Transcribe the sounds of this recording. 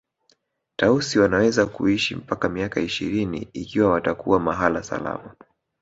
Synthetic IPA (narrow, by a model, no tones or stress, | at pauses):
tausiwanawɛzakṵiʃim̩pakamiakaiʃḭɾinḭikiwawatakuamaɦalasa̰la̰ma